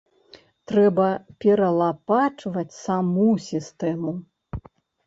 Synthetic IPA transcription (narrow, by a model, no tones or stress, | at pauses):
t̪ɾɛbɐpʲɛɾɐlˠapat͡ʂvɐt͡sʲsamusʲist̪ɛmu